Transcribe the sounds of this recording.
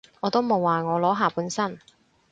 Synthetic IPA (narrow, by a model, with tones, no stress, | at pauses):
ŋɔː˨˧t̪o˥wmo˨˧wːaː˨ŋɔː˨˧lɔː˨˥ɦaː˨˧puː˨˥nsɐ˥n